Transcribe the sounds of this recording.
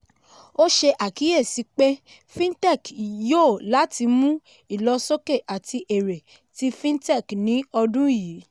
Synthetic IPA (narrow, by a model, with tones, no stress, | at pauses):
o˦ʃe˧ʔa˨ki˨˦je˦˨si˨˦k͡pe˦ | fĩ˦tɛ˦˨kjo˦˨la˨˦ti˧mũ˦ | i˦˨lɔ˧so˦ke˦˨ʔa˨ti˧ʔe˨ɾe˨ | ti˦fĩ˦ntɛ˦˨knĩ˨˦ɔ˧dũ˦i˦˨ji˨˦